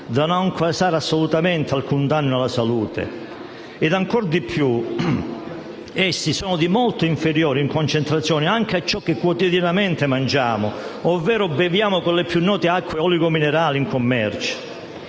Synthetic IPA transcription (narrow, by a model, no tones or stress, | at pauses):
d̪anoŋkʰasaːɾasːolut̪amɛnt̪ealkund̪anːʊalasaluːt̪ḛ | ɛd̪aŋkɔrd̪ipʰːju | ɛsːisɔːnʊd̪imɔlt̪oiɱfeɾjɔːɾiŋkont͡ʃent̪ɾat̪sːjɔːniaŋk̟eat͡ʃːɔk̟ːɪkːwot̪iðjanamɛnt̪emand͡ʒaːmʊɔvːɛːɾʊbevjaːmʊkolepjunːɔːt̪eakːweɔliɡomineɾaːliiŋkomːɛrt͡ʃ